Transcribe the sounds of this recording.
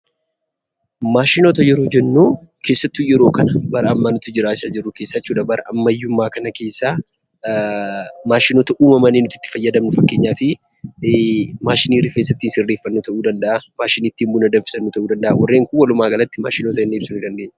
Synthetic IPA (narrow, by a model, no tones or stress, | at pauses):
maːʃɪnoːt̪ɐjɛɾuːd͡ʒɛnːuːke̞ːsːɐt̪ːujɛɾo̞ːkɐnɐbɐɾɐʔɐmːanʊt̪ʊd͡ʒɪɾaːɪsɐd͡ʒɪrːʊke̞ːsːɐt͡ʃːuːᶑɐbɐɾʔɐʔɐmːɐjːʊmːaːkɐnɐke̞ːsːaː | maːʃɪnoːt̪ɐʔuːmɐmɐnːiːnʊt̪ːɪ̥t̪ːɪ̥fɐjːɐd̪ɐmnʊfɐkːe̞ːɲːaːfɪ | maːʃɪniːɾɪfeːs̬ːɐt̪ːinsɪrːeːfːɐnːuːt̪ɐʔuːd̪ɐnd̪ɐʔamaːʃɪniːt̪ːiːmbʊːnɐd̪ɐmfɪ̥sɐnːuːt̪ɐʔuːd̪ɐnd̪ɐʔa̰wɐrːeːŋkʊwɐlʊmaːɡɐlɐt̪ːɪma̰ːʃɪnot̪ɐɛnːeːbsʊnɪd̪ɐnd̪eːɲː